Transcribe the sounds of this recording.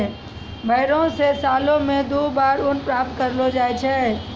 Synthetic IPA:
bʱəɪɾõsesaːlõmẽd̪obaːɾʊnpɾap̚t̪kəɾlod͡ʒaːjt͡ʃʰɛ

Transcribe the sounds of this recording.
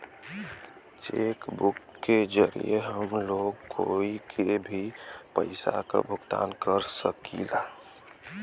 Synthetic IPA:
t͡ʃekbukːed͡ʒəɾḭjeɦəmloːɡkʰoikʰebʱipə̰ɪsa̰ka̰bʱʊkt̪a̰ːnkəɾsəkilaː

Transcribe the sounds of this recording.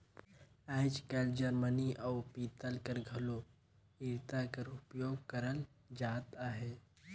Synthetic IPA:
aːd͡ʒkɛːld͡ʒəɾməniʔaːpiːt̪əlkəɾɡʱɐlo | iɾt̪akəɾʊpjoːɡkəɾəl | d͡ʒaːt̪aːɦeː

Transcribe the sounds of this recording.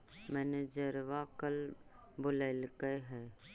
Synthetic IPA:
mɛ̃ːned͡ʒəɾʋakəl | bʊlaɪlkəeɦɛː

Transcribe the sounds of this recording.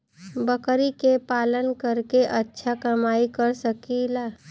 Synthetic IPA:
bəkɾikepaːlənkəɾkeʔətːʃʰakɐmaːikəɾsəkilaː

